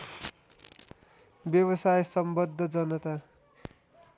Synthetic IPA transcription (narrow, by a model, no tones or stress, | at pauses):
bjʌwʌsajesʌmbʌd̪ʱːʌd͡zʌnʌt̪a